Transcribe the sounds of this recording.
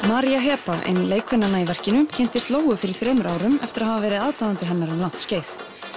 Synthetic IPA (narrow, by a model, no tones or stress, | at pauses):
maɾjaɦɛːpaʔɪ̰nleːjkʰvɛnːanːaivɛr̥cɪnʏmcʰɛn̥t̪ɪst̪loːwɣʏfɪɾɪɾ̥θɾœːɥmʏɾʔaːwɾʏmɛ̰ft̪ɪɾahavavɛːɾɪðaːðt̪aðant̪ɪɦɛnːaɾalaht̪sceːjθ